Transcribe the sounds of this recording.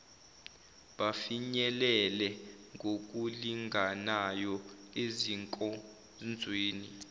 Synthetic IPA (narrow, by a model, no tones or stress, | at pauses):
ɓafiɲɛlɛlɛŋɡʱok̬ʼuliŋɡanajɔeziŋkʼɔ | nd͡zʱweːni